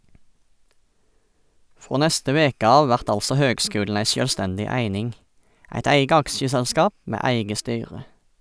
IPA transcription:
ˈfʁoː ˈnɛstə ˈʋeːkə ˈɑːʋ ˈʋæʁt ˈɑlsɔ ˈhøːɡˌskʉːln̩ ˈæɪ ʃœlˈstɛndɪ ˈæɪnɪŋ ˈæɪt ˈæɪɡə ˈɑkʃəsɛlˌskɑːp ˈmeː ˈæɪɡə ˈstyːʁə

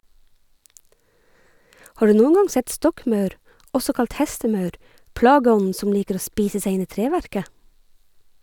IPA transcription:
ˈhɑː ˈɖʉː ˈnuːŋ̍ ˈɡɑŋ ˈsɛt ˈstɔkˌmœʉɾ ˈʔɔsɔ ˈkɑlt ˈhɛstəˌmœʉɾ ˈpɽɑːɡəˌɔnn̩ ˈsɔn ˈliːkəɾ ˈoː ˈspiːsə ˈseɪ ˈɪn ˈiː ˈtɾeːʋæɾkə

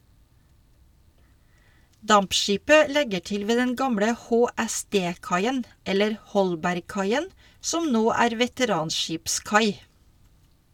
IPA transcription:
ˈdɑmpˌʃiːpə ˈlɛɡə ˈʈɪl ˈʋeː ˈdɛn ˈɡɑmɽə hoːæˈsdeː ˈkɑɪən ˈɛləɾ ˈhɔlbæɾɡˌkɑɪən ˈsɔm ˈnoː ˈæːɾ ʋɛtəˈɾɑːnˌʃiːpˌskɑɪ

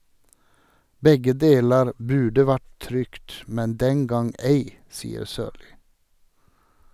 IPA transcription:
ˈbɛɡə ˈdeːləɹ ˈbʉːɖə ˈʋæʈ ˈtɾʏkt ˈmɛn ˈdɛŋ ˈɡɑŋ ˈæɪ ˈsiːəɾ ˈsøːɾliː

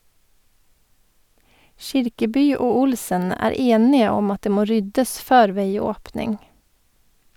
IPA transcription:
ˈʃɪɾkəˌbyː ˈoː ˈʊlsən ˈæːɾ ˈeːnɪə ˈɔm ˈɑt ˈdeː ˈmoː ˈɾʏdəs ˈføːɾ ˈʋeɪˌoːpnɪŋ

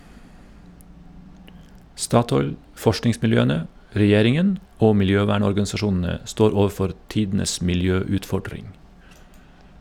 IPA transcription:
ˈstɑːtɔʏl ˈfɔʃʈnɪŋsmɪlˌjøːənə ɾɛˈjeːɾɪŋən ˈoː mɪlˈjøːʋæːɳɔɾɡɑnsɑˌʃuːnn̩ə ˈstoːɾ ˈoːʋˌfɔɾ ˈtiːdn̩əs mɪlˈjøːʉːtˌfɔɖɾɪŋ

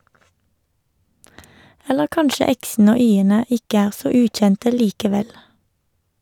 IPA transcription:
ˈɛləʁ ˈkɑnʃə ˈɛksn̩ə ˈoː ˈyːənə ˈɪkə ˈæːʁ ˈsoː ˈʉːtˌçɛntə ˈliːkəˌʋɛl

